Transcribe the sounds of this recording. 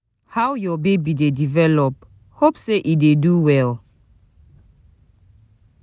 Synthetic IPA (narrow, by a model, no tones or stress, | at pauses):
hawjɔbebidedivɛlɔp̚ | hopseʔideduwɛl